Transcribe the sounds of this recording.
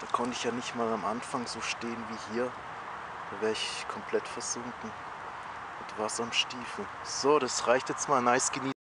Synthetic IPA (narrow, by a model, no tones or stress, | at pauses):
d̥aːkʰɔntɪçjaːnɪçtmaːlamʔa̰nfaŋz̥oːʃteːənviːhiːɐ | d̥aːvɛːɐɪçkʰɔmpʰl̥ɛtfɛɐz̥ʊŋkŋ̩ | ʊd̥uːvaːɐstamʃtiːfl̩ | z̥oːɾasʁaɪçtjɛt͡stmaːlnaɪsɡ̥əniː